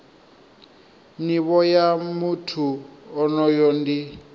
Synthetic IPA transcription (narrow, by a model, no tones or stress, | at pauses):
niβɔjamutʰuɔnɔjɔndi